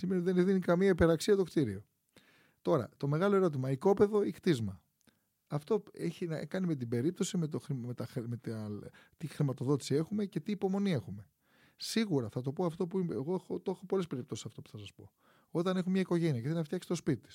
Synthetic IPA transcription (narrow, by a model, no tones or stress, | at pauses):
simet̪iðenðinikɐmiɐipe̞ɾɐksiɐt̪o̞kt̪iɾio̞ | t̪o̞ɾɐ̰t̪o̞me̞ɣɐlo̞e̞ɾo̞t̪̬imɐiko̞pe̞ðo̞ikt̪izmɐ | ɐft̪o̞eçinɐkɐnime̞t̪̬ibe̞ɾip̚t̪o̞simet̪oxɾimet̪ɐxmet̪t̪ixɾimɐt̪o̞ðo̞t̪i̥sie̞xume̞ce̞t̪iːpo̞mo̞nie̞xume̞ | siɣuɾɐθɐt̪o̞po̞ɐft̪o̞puieɣo̞exot̪oexo̞po̞lespe̞ɾipt̪osi̥sɐft̪o̞pu̥θɐsɐspo̞̰ | o̞t̪ɐne̞xumemɲɐiko̞ʝe̞niɐceθelnɐft̪jɐksi̥t̪o̞spit̪it̪is